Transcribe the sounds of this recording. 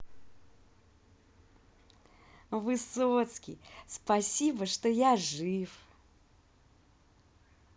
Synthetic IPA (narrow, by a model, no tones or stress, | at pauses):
vɨsot̪skʲɪ̰jspɐsʲibəʂt̪ojaʐɨf